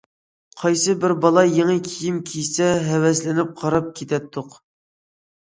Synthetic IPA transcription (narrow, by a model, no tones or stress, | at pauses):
qʰɑjsɨbɪɾbɑlˠɑjeŋɨkʲʰijimkʲʰijsɛɦɛwɛslɪnɪp̚qʰɑɾɑp̚kʲʰet̪ʰɛt̪ʰːʊq